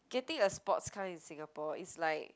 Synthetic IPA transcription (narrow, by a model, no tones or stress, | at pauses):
ɡ̥ɛtĩŋəspɔ̰tskʰãmĩnsĩŋapɔḭtslaɪk̚